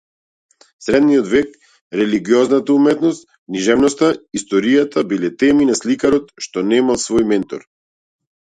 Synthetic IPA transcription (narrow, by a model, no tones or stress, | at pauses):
sɾɛd̪nijɔd̪vɛk | ɾɛliɡiɔznat̪aumɛt̪nɔst̪ | kniʒɛvnɔst̪aist̪ɔɾijat̪ʰabilɛt̪ɛminaslikaɾɔt̪ʃt̪ɔnɛmalˠsvɔjmɛnt̪ɔɾ